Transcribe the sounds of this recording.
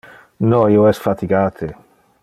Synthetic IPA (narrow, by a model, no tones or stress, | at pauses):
nɔioɛsfat̪iɡaːt̪ʰe